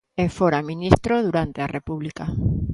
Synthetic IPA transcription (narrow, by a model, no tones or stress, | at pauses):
efoɾamĩnist̪ɾoð̞uɾant̪earepuβlika